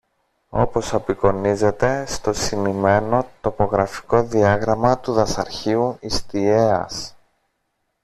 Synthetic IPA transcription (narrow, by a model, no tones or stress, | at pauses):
o̞po̞sɐpiko̞nize̞t̪e̞st̪o̞simime̞no̞t̪o̞po̞ɣɾɐfi̥ko̞ðiɐɣɾɐmɐt̪uðɐsɐɾçiuist̪ie̞ɐ̰s